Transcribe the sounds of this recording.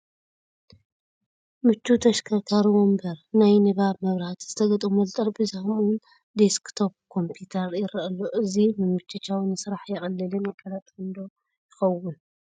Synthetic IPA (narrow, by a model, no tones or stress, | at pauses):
mɨt͡ʃːut̪ʰɐʃkʰakʰaɾiwombɐɾnajnɨβaβmɐβɾhat̪z̥ɨt̪ʰɐɡɐt̪ʼumɐlt̪ʼɐɾbɨzahɨmuwʊn | d̪eskt̪ʰo̞p̚kʰo̞mpʰut̪ʰɐɾjɪɾɐʔɐlːoʔɨzimɨmɨt͡ʃʰːɨt͡ʃːawnɨsɾaħjɛxʼɐlːɨlɨnakʼɐlat̪ʼɨnd̪o | jɪxɐwʊn